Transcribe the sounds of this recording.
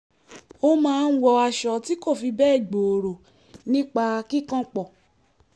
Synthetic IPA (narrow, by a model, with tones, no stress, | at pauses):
o˧mãː˦˧n̩˦wɔ˧a˧ʃɔ˧ti˨˦ko˦˨fi˧bɛ˦˨ɡ͡bo˨ɾo˨ | nĩ˦k͡pa˧ki˦kã˦k͡pɔ˨